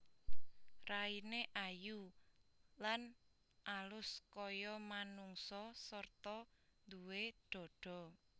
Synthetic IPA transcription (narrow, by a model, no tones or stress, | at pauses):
raineʔaju | lan | ʔalʊskɔjɔmanuŋsɔsɔrt̪ɔnd̪uweɖ̪̥ɔ̤ɖ̥ɔ̤